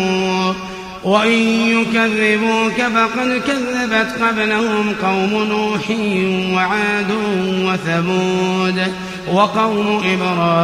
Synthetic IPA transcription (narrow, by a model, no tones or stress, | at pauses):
waʔɪnjʊkaðːɪbuːkabaqɑd̪kaðːabat̪qɑblahʊmqɑwmʊnuːħɪjwaʕaːd̪ʊwaθabuːd̪ | wɑqɑwmʔɪbɾˤɑː